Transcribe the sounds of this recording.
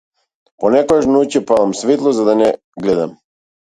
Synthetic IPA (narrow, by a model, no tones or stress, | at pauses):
ponɛkɔjaʃnucɛpad̪amsvit̪lˠɔzad̪anɛ | ɡlɛd̪a̰m